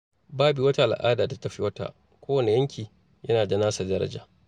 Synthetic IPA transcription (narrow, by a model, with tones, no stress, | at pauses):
baː˦biː˨wɐ˦ta˦˨ʔa˨l̰ʔa̰ː˦daː˨ta˦tɐ˨ɸi˦wɐ˦ta̰˨ | kʷoː˦wɐ˨ne˨jɐ˦ŋkʲiː˨ | jɐ˦naː˨dɐ˨naː˦sa˨dɐ˦ɾɐ̰˦d͡ʒa̰ː˨